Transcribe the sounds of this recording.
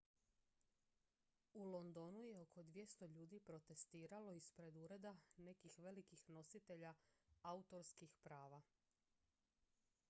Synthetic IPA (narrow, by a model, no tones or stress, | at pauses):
ulˠo̞nd̪o̞nuje̞o̞kʰo̞d̪ʋje̞st̪o̞ʎuːd̪ipɾo̞t̪e̞st̪iːɾalo̞ispɾe̞d̪uɾe̞d̪ane̞kixʋe̞likixno̞sit̪e̞ʎaaut̪o̞ɾskixpɾaːʋa